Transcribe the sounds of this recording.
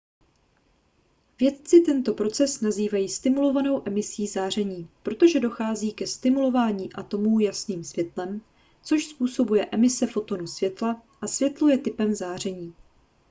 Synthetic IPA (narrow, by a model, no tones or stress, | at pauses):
vjɛt̪t͡sɪt̪ɛnt̪o̞pɾo̞t͡sɛsnaziːvajiːst̪ɪmulo̞vano̞wʔɛmɪsiːzaːr̝ɛɲiːpɾo̞t̪o̞ʒɛdo̞xaːziːkɛst̪ɪmulo̞vaːɲiːʔat̪o̞muːjasniːmsvjɛt̪lɛm | t͡so̞ʃspuːso̞bujɛʔɛmɪsɛfo̞t̪o̞nusvjɛt̪laʔasvjɛt̪lo̞jɛt̪ɪpɛmzaːr̝ɛɲiː